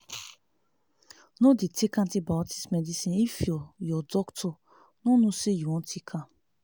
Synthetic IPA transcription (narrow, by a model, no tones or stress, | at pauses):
nõditʰikãtibati̥smɛdisĩifiɔjɔdɔktʰɔ | nũnũsejuɔ̃tʰikʰã